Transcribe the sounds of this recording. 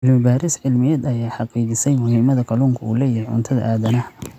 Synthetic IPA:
ʕɪlmɪbaːɾɪsʕɪlmɪjɐd̪ɐjaːħɑqiːt͡ʃɪsɛjmʊhiːmɐðɐkʰɐluːŋkʰɐṵːlɛːjɐɛjʕʊ̰nt̪ʰɐðɐ̰ʔaːðɐnɐ

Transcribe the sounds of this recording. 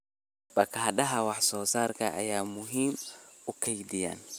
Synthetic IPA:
bɐkʰhɐɗɐɦɐwɑħsɔːsaːrkʰɐʔɐ̰jaːmʊɦiːmʊkʰɐjd̪ɪja̰ːn

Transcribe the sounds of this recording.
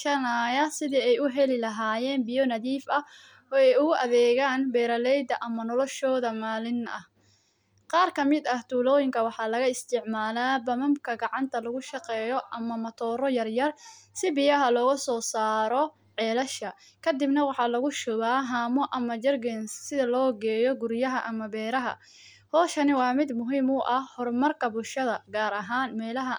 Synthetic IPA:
ʃɐnɐjɐsɪðiːɛjʊɦɛlɪlɐɦaːjɛːnbɪjɔnɐðiːfɐ | ɔːɛjʊɣʊʔɐðɛːɣaːnbɛːɾɐlɛjd̪ɐʔɐmɐnɔlɔʃɔːðɐmaːlɪnɐ̰h | qɑːrkʰɐmɪd̪ɐht̪ʰuːlɔːjɪŋkʰɐwɑħɑːlɐɣɐɪst̪ʰɪʕmaːlaːbɐmɐmkʰɐɡɑʕɑnt̪ʰɐlɐɣʊʃɑqɛːjɔʔɐmɐmɐt̪ʰɔːɾɔjɐrjɐrsɪbɪjɐɦɐlɔːɣɐsɔːsaːɾɔ | ʕɛːlɐʃɐ | kʰɐd̪ɪbnɐwɑħɑːlɐɣʊʃʊβaːɦaːmɔʔɐmɐd͡ʒɐrɡɛnsɪðɐlɔːɡɛːjɔɡʊɾjɐɦɐʔɐmɐbɛːɾɐɦɐ̰ | hɔːʃɐnɪwɑːmɪd̪mʊɦiːmʊʔɐhhɔrmɐrkʰɐbʊlʃɐðɐɡaːɾɐɦaːnmɛːlɐɦɐ

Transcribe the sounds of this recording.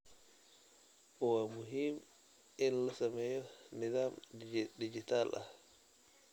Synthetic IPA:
ʔɔwamuɦim | ɛnlasamɛjɔnɛdamdid͡ʒitalʔa̰

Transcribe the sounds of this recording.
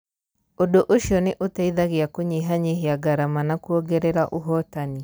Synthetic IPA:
odoʔoʃjɔneʔotaiðaɣeakoɲeɦaɲeɦeaɡaɾamanakuɔɡɛɾɛɾaʔoɦɔtani

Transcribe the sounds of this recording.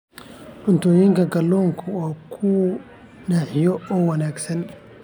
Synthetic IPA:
ʔʊnt̪ɔːjiŋkʰɐɡɐlːɔːŋkʰʊɔːkʰu | naːħɪjɔɔːwɐnaːɡsɐn

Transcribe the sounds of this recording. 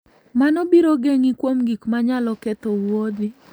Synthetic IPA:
manɔbiɾoɡeŋikwomɡikmaɲalɔkɛt̪owod̪ɪ

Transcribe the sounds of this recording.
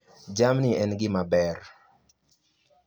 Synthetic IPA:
d͡ʒamnɪɛnɡɪmabɛr

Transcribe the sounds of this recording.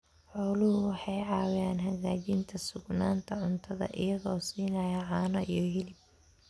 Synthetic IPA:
ħɔːlʊhʊwɑħɑjʕɑːwjaːnɦɐɣaːt͡ʃɪnt̪ʰɐsʊɡnaːnt̪ʰɐʕʊnt̪ʰɐðɐ̰ʔɪ̰jɐɣɔːsiːnɐjɐʕɑːnɐʔijɞɦɛlɪb̚

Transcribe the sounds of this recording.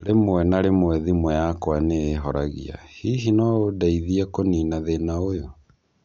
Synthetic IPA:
ɾemowɛnaɾemwɛðimwɛjakwaneːɦɔɾaɣḭa̰hiɦinɔodaiðiɛkoninaðenaojo

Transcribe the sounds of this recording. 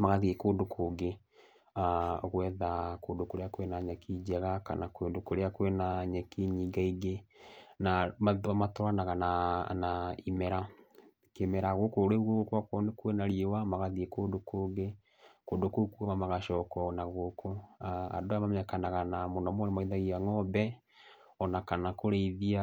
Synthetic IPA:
maɣaðiekoːndokʰoɡe | aɣwɛðakoːndokoɾeakwenaɲɛkʰid͡ʒaɣaka̰nakwendokoɾeakwenaɲɛkiɲiːɡaiɣenamamatoɾanaɣananaimɛɾa | kemɛɾaɣokoɾeɣokwakwɔnekwenaɾiewamaɣaðiekoːndokoɡe | koːndokokuamamaɣaʃɔːkɔnaɣokʰoaa̰doamamɛɲakanaɣanamonɔmɔɾemaiðaɣiaŋɔbɛ | ɔnakanakoɾeiðia

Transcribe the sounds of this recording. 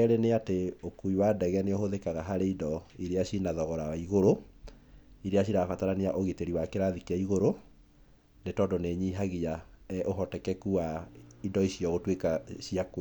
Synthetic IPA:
ɛɾeneateokuiwaːdɛɣɛneohoðekaɣaɦaɾeidɔiɾeaʃinaðɔɣɔɾawaiɣoɾo | iɾeaɕiɾafataɾaneaʔoɣeteɾiwakeɾaðikiaiɣoɾo | netɔːndoneɲiːɦaɣiaɛʔoɦɔtɛkɛkuaidɔiɕjɔɣotwekaʃiako

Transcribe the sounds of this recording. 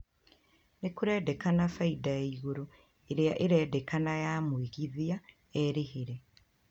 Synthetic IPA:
nekuɾeːdekanafaidajaiɣuɾo | eɾeaʔeɾeːdekanajaːmwiɣiðia | eɾihiɾe

